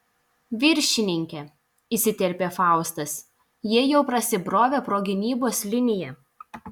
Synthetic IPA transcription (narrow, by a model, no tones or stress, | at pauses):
ʋʲɪɾʲʃʲɪnʲɪŋʲkʲɛ | isʲɪt̪ʲɛɾʲpʲeːfɑˑʊst̪ɐs | jiɛjɛʊpɾɐsʲɪbɾoːʋʲeːpɾoːɡʲɪnʲiːboːslʲɪnʲɪjɛ